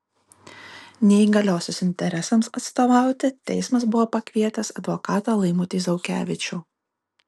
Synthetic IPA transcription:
nʲɛiɡɐlʲoːsʲosɪnʲt̪ʲɛɾʲɛsɐmsɐt̪st̪oːʋɑˑʊt̪ʲɪt̪ʲɛ̰ɪsmɐsbʊʋoːpɐkʲʋʲiɛt̪ʲɐsɐd̪ʋɔkɑːt̪oːlˠɐɪmʊt̪ʲɪzɐʊkʲæ̰ːʋʲɪt͡ʃʲʊː

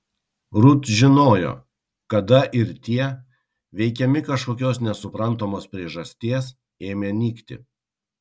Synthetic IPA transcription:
ɾʊt̪ʒʲɪnoːjo̰ː | kɐd̪ɐʔɪɾt̪ʲiɛ | ʋʲɛɪkʲɛmʲɪkɐʃkoːkʲoːsnʲɛsʊpɾɐnˑt̪oːmoːspʲɾʲiɛʒɐsʲt̪ʲeːs | eːmʲeːnʲiːkt̪ʲɪ̰

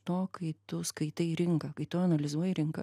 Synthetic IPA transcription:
t̪oːkɐɪt̪ʊskɐɪt̪ɐɾʲɪŋkɐkɐɪt̪ʊɐnɐlʲɪzuɔjɛɾʲɪŋkɐ̰

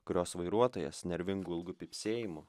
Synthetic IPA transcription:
kʊɾʲoːsʋɐɪɾuɔt̪oːjɛ̰snʲɛɾʲʋʲɪŋɡuːɪlˠɡʊpʲipʲsʲeːjɪmʊ

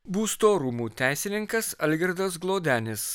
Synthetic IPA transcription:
buːst̪oːɾumuːt̪ʲæˑɪsʲɪnʲɪŋkɐsɐlʲɡʲɛɾd̪ɐs̬ɡlˠoːd̪ʲæːnʲɪs

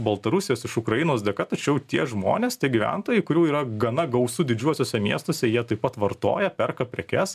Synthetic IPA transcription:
bɐlˠt̪ɐɾʊsʲɪjoːsɪʃʊkɾɐjɪnoːsd̪ʲɛkɐt̪ɐt͡ʃʲɛʊt̪ʲiɛʒmo̰ːnʲeːst̪ʲiɛɡʲiʋʲæ̰nt̪oːjɛɪkʊɾʲuːiːɾɐɡɐnɐɡɐʊsʊd̪ʲɪd͡ʒʲuɔsʲoːsʲɛmʲiɛst̪oːsʲɛjiɛt̪ɐɪpːɐt̪ʋɐrt̪o̰ːjɛpʲɛrkɐpʲɾʲɛkʲɛs

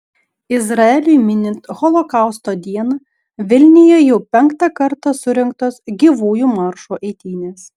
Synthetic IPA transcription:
ɪzɾɐɛlʲʊjmʲɪnʲɪnt̪ɣɔlˠɔkɐˑʊst̪oːd̪ʲiɛnɐ | ʋʲɪlʲnʲɪjɛjɛʊpʲɛŋˑkt̪ɑkɐɾt̪ɐsʊɾʲɛŋk̚t̪oːsɡʲiːʋuːjumɐɾʃuʔɛɪt̪ʲiːnʲeːs

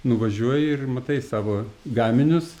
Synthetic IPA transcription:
nʊʋɐʒʲuɔjɪrmɐt̪ɐɪsɑːʋoːɡɑːmʲɪnʲʊs

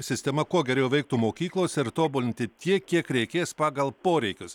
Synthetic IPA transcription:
sʲɪsʲt̪ʲɛmɐkuɔɡʲɛɾʲɛʊʋʲɛɪk̚t̪umoːkʲiːklˠoːsʲɪɾt̪oːbulʲɪnʲt̪ʲɪt̪ʲiɛkʲiɛkɾʲɛɪkʲeːspɑːɡɐlˠpoːɾʲɛɪkʲʊs

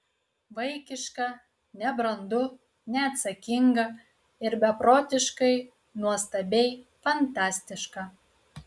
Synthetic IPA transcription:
ʋɐɪkʲɪʃkɐ | nʲɛbɾɐnd̪ʊ | nʲɛɐt̪sɐkʲɪŋɡɐ | ɪɾbʲɛpɾoːt̪ʲɪʃkɐɪ | nuɔst̪ɐbʲɛɪfɐnt̪ɑːsʲt̪ʲɪʃkɑ

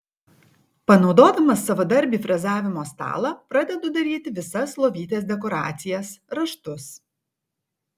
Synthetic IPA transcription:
pɐnɒʊd̪oːd̪ɐmɐsːɐʋoːd̪ɐɾʲbʲiːfɾɐzɑːʋʲɪmoːst̪ɑ̰ːlˠɑpɾɐd̪ʲɛd̪ʊd̪ɐɾʲiːt̪ʲɪʋʲɪsɐslˠoːʋʲiːt̪ʲeːsd̪ʲɛk̬ɔːɾɑ̰ːt̪sʲɪjɛsɾɐʃt̪ʊs

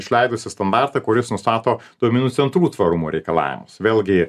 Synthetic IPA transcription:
ɪʃʲlʲɛɪd̪ʊsʲɪst̪ɐnd̪ɑrt̪ɐkʊɾʲɪsnʊst̪ɑːt̪oːd̪oɔmʲɪnuːt̪sʲɛnt̪ɾuːt̪ʋɐɾʊmuːɾʲɛɪkɐlˠɑ̰ːʋʲɪ̰mʊsʋʲeːlʲˠɡʲɪ

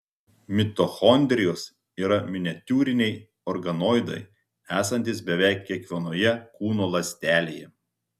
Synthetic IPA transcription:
mʲɪt̪oxɔnʲd̪ʲɾʲɪjoːs | iːɾɐmʲɪnʲɛt̪ʲuːɾʲɪnʲɛɪ | ɔɾɡɐnoːɪd̪ɐ̰ɪ | æːsɐnʲt̪ʲiːsbʲɛʋʲɛˑɪkʲːiɛkʲʋʲiɛnoːjɛkuːnoːlˠɐsʲt̪ʲæːlʲeːjɛ

